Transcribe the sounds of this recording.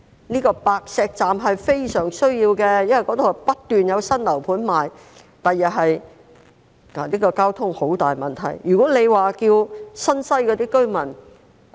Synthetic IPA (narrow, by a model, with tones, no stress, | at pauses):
niː˥kɔː˧paː˨˧k̚sɛː˧k̚t͡saː˨mɦɐ˨jfe˥jsœː˨˩ŋsɵ˥ɥjiː˧wkɛ˧jɐ˥nwɐ˨jkɔ˨˧˥t̪o˨˧whɐ˨pɐ˥t̪̚ːyː˨njɐ˨˧wsɐ˥nlɐ˨˩wpʰuː˨˥nmaː˨j | t̪ɐ˨jjɐ˨t̚ɦɐ˨j | a˨niː˥kɔː˧kaː˥wt̪ʰʊ˥ŋho˨˥wt̪aː˨jmɐ˨nt̪ʰɐ̰˨˩jjyː˨kɔː˨˥ne˨˧jwaː˨kiː˧wsɐ˥nsɐ˥jkɔː˨˧t̪iː˥kɵ˥ɥmɐ˨˩n